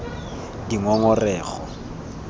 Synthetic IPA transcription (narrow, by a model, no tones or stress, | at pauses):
diŋɔŋɔrɛːχɔ